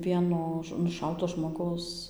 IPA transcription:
ˈʋʲiɛnoː nʊˈʃɐʊtoː ʒmoːˈɡɐʊs

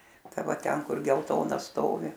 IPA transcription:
ˈtɐ ˈʋɐ ˈtʲɛn ˈkʊr ɡʲɛlˠˈtoːnɐ ˈstoːʋʲɪ

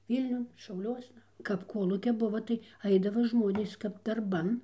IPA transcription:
ˈʋʲiːlʲnʲʊn ʃɐʊˈlʲuɔsnɐ kɐp ˈkoːlˠuːkʲɛ ˈbʊʋɐ tɐɪ ˈɐɪdɐʋɐ ˈʒmoːnʲeːs kɐp dɐrˈbɐn

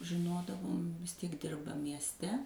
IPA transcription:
ʒʲɪˈnoːdɐʋoːm ʋʲɪs ˈtʲiɛk ˈdʲɪrbɐ mʲiɛsʲˈtʲɛ

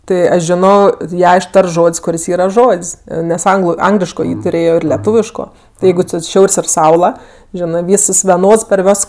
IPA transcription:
ˈtʲɪ ˈɐʃ ˈʒʲɪnoː ˈjæː ɪʃˈtɐrts ˈʒoːtʲsʲ kʊˈrʲɪs ˈiːrɐ ˈʒoːtʲsʲ nʲɛs ˈɐŋɡlˠʊ ˈɐŋɡlʲɪʃkoː ˈjiː tʊˈrʲeːjoː ˈɪr lʲɛˈtuːʋʲɪʃkoː ˈjɛɪɡʊ t͡sʲɪ ˈʃʲɛʊrʲsʲ ɪr ˈsɐʊlˠɐ ˈʒʲæːnɜ ˈʋʲiːs ˈɪs ʋʲɛˈnoːts pɐr ˈʋʲoːs

